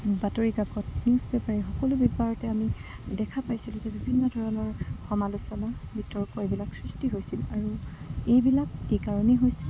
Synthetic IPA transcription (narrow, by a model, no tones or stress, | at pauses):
batoɹikakɔtnisbɛpaɹixɔkɔlʊbipaɹɔtɛami | dɛkʰapajsilʊ̃zɛbibʱinːɔdʱɔɹɔnɔɹxɔmalusɔnabitɔɹkɔebilaksɹistiɦojsilaɹuejbilakejkaɹɔniɦojsɛ